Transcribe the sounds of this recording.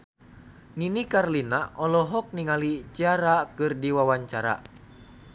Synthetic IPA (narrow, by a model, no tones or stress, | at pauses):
ninikarlinaʔɔlɔɦɔk̚niŋalit͡ʃiaɾakɨrdiwawaɲt͡ʃaɾa̰